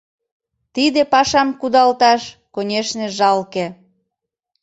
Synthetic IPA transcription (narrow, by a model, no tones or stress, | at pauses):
t̪id̪epɑʃɑmkud̪ɑlt̪ɑʃkonʲeʃnĕʒɑlkĕ